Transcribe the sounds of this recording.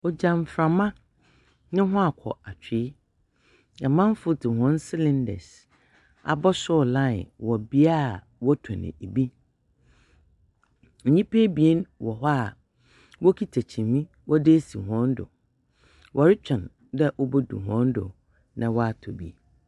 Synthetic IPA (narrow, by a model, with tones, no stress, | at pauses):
ɔ˨d͡ʑã˨m˨fɾã˨mã˦ | nɪ̃˦ɦʊ̃˦a˨kʷʰɔ̰˨a˨t͡ɕʰᶣɪ˨˦ | ã˨mã˦n˦fʊ˦tɪ˨hɔ̃˦n˦sɪ˦lɪ̃˦ndɛ̰˨s | a̰˨bɔ˦sʊ˦˨lã̰˦˨wɔ˨bi˦a˦˨ | wɔ˦tʰã˨nɪ̰̃˨e˨bi˦ | n̩˨ɲĩ˦pʰe˦bi˨e˦nwɔ˨ɦa˦˨ | wɔ˦kʰi˦tʰæ˨t͡ɕʰĩ˨mĩ˦ | wɔ˦dɪ˦si˨ɦɔ̃˦ndʊ̰˨ | wʔɔ˨ɾɪ˦t͡ɕʰᶣɛ̃˨n | dɛ˦ʔɔ˦bɔ˦dṵ˨ɦɔ̃˦ndʊ̰˨ | nã˨wɔ˦a˨tʰɔ˨bḭ˦